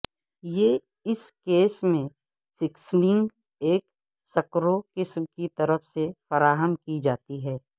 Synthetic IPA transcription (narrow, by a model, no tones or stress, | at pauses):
jeː | ɪskeːsmẽ | fɪksnɪ̃ŋɡ | eːk | sɐkɾokɪsmkit̪əɾəfsefɐɾaːɦəmkid͡ʒaːt̪iɦɛː